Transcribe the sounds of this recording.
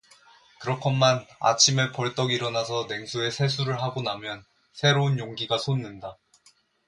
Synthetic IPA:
kɯɾʌkʰʌnːana̰t͡ɕʰimepʌɭt͈ʌɡiɾʌnasʰʌne̞ŋsʰue̞sʰe̞sʰuɾɯɭɦaɡonamjʌn | sʰe̞ɾounjoŋɡiɡasʰonːɯnda

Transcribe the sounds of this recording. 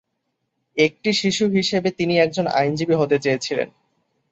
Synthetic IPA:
ek̚ʈiʃiʃuɦiʃebet̪iniɛk̚d͡ʑona̰jnd͡ʑibiɦot̪et͡ɕeet͡ɕʰilḛn

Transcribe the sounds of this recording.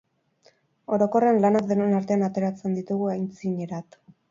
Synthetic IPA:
o̞ɾo̞ko̞renlanakd̪enuenaɾt̪e̞anat̪e̞ɾat͡se̞nd̪it̪uɣuajnt͡siɲe̞ɾat̪

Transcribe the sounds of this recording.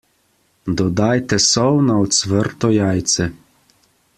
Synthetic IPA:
d̪ɔd̪ajt̪ɛsɔwnaɔt̪sʋəɾt̪ɔjaːjt̪sɛ

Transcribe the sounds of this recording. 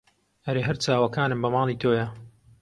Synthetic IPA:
ʔɐɾeɦɐɾt͡ʃaːwɐkaːnɨmbɐmɑːlˠit̪ʰoːjɐ

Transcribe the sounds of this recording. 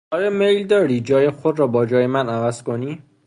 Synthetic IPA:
ɒːjɒmejld̪ɒːɾiːd͡ʒɒːjexod̪ɾɒːbɒːd͡ʒɒːjemænævæz̥koniː

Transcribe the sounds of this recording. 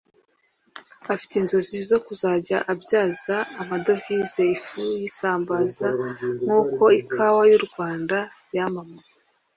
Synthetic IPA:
afi̥tenzo̞zizo̞kuzaːɟaʔabɟaːzaːmado̞vizeifujisaːmbazaŋ̥uːko̞ikʰawajuɾɡwaːnda | jamamaj

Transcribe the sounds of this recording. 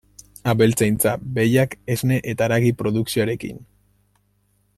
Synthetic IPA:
aβe̞lt͡sajnt͡sabe̞jakezne̞ʔet̪aɾaɣipɾo̞ðuksioaɾe̞kḭn

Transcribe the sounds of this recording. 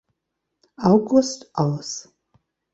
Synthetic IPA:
awɡʊstʰaws

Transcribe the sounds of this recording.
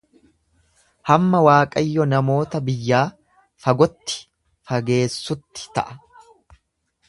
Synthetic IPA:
hɐmːɐwaːkʼɐjːɔnɐmo̞ːt̪ɐbɪjːaː | fɐɡɔt̪ːɪ̥ | fɐɡe̞ːsːʊt̪ːɪ̥t̪ɐ̰ʔɐ

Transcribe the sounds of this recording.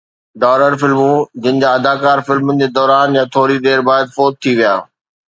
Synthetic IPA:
ɖaːləɾfɪlmũd͡ʑɪnɪ̆d͡ʑaːɐd̪aːkaːɾfɪlmənɪ̆d͡ʑeːd̪ɔːɾaːnjãt̪ʰoːɾid̪eːɾbaːd̪fɔːt̪̚ʰːiʋijaː

